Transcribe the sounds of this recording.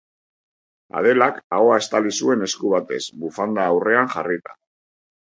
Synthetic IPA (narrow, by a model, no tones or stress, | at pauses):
a̰ð̞e̞lakaɣoae̞st̪alisue̞ne̞skuβ̞at̪e̞sβufand̪aːwre̞aŋxarit̪ḁ̰